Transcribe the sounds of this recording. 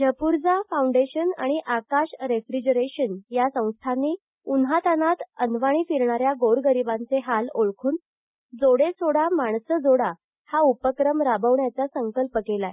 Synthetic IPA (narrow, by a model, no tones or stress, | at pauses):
d͡ʑʱəpuɾd͡zafawɳɖeɕənaɽ̃iʔakaɕɾefɾid͡ʑəɾeɕənjasə̃w̃st̪ʰanːiː | unɦat̪anat̪ənd̪ʋaɽ̃iːfiɾɳaɾjaɡoɾɡəɾibant͡seɦaloɭkʰuːn | d͡zoɽesʰoɽamaɳ̃səd͡zoɽa | haupəkɾəmɾabəʋɳjat͡sasəŋkəlpəkelae